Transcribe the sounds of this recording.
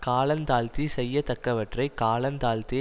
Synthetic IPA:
kaːlɐnt̪aːlt̪isɛjːɐt̪ɐkːɐʋɐʈrɐɪkaːɭɐnt̪aːlt̪i

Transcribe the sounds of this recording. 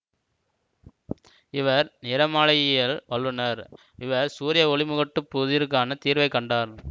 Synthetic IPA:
ɪʋɐɾnɪɾɐmaːɭɐjjɐlʋɐɭːɯnɐɾ | ɪʋɐɾsuːɾɪjɐɔɭɪmɯɣɐʈːɯpːuðɪɾɯk̬ːaːnɐt̪iːɾʋɐɪkːɐɳɖaːɾ

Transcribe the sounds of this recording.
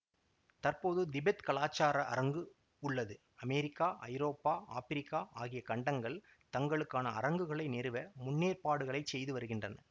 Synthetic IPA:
t̪ɐrpoːðɯd̪ɪbɛt̪kɐɭaːt͡ʃːaːɾɐʔɐ̰ɾɐŋɡɯ | ʊɭːɐðɯ | ɐmɛɾɪkːaːʔɐ̰jɾoːpːaːʔaːfɪɾɪkːaːʔaːɣɪjɐkɐɳɖɐŋɡɐɭ | t̪ɐŋɡɐɭɯkːaːnɐɐ̰ɾɐŋɡɯɣɐɭɐɪnɛɾɯʋɐmʊnːeːrpaːɽɯɣɐɭɐɪt͡ʃsɛjðɯʋɐɾɯɣɪndrɐnɐ

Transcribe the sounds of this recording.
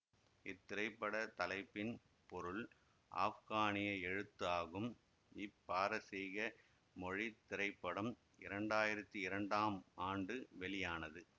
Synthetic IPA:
ɪt̪ːɪɾɐɪpːɐɽɐt̪ɐlɐɪpːɪn | pɔɾɯl | ʔa̰ːfɣaːnɪjɐɛɻɯt̪ːaːɣɯm | ɪpːaːɾɐsɛjɣɐ | mɔɻit̪ːɪɾɐɪpːɐɽɐm | ɪɾɐɳɖaːjɪɾɐt̪ːiɪɾɐɳɖaːmaːɳɖɯʋɛlɪjaːnɐðɯ

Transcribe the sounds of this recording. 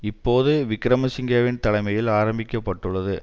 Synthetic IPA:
ɪpːoːðɯʋɪkːɪɾɐmɐsɪŋɡɐʋɪnt̪ɐlɐɪmɐjɪlaːɾɐmbɪkʲːɐpːɐʈːɯɭːɐðɯ

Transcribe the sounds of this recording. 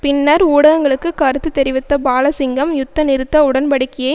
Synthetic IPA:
pɪnːɐɾuːɽɐɣɐŋɡɐɭɯkːɯkːɐːɾɯt̪ːɯt̪ːɛɾɪʋɪt̪ːɐbaːlɐsɪŋɡɐmjʊt̪ːɐnɪɾɯt̪ːɐʊɽɐnpɐɽɪkːɪje

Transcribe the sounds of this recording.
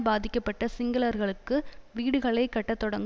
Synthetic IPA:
baːðɪkːɐpːɐʈːɐsɪŋɡɐlɐɾɣɐɭɯkːɯʋiːɽɯɣɐɭɐɪkːɐʈːɐt̪ːɔɽɐŋɡ

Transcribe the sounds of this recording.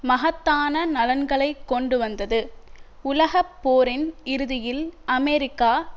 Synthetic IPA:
mɐɦɐt̪ːaːnɐnɐlɐnɡɐɭɐɪkːɔɳɖɯʋɐnd̪ɐðɯ | ʊlɐɣɐpːoːɾɪnɪɾɯðɪjɪlɐmɛɾɪkːaː

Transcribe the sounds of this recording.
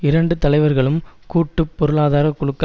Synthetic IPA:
ɪɾɐɳɖɯt̪ɐlɐɪʋɐɾɣɐɭɯmkuːʈːɯpːɔɾɯɭaːðaːɾɐkːʊɭɯkː

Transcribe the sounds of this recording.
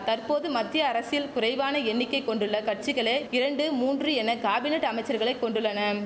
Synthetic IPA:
t̪ɐrpoːðɯmɐd̪ːɪjɐːɾɐsɪjɪlkʊɾɐɪʋaːnɐɛɳːɪkːɐɪkːɔɳɖɯɭːɐkɐʈ̚t͡ʃɪɣɐɭeːɪɾɐɳɖɯmuːndrɯɛnːɐkaːbɪneʈːɐmɐɪt͡ʃːɐɾɣɐɭɐɪkːɔɳɖɯɭːɐnɐ

